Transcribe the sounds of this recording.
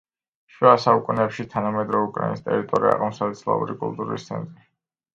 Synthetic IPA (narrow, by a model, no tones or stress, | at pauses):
ʃwɛasaukʼunɛpʃit̪ʰanamɛd̪ɾɔvɛukʼɾainist̪ʼɛɾit̪ʼɔɾia̰qmɔmsad̪ɛsʰlˠa̰ṵɾikʼulˠt̪ʼuɾḭst̪sʰɛnt̪ʼɾi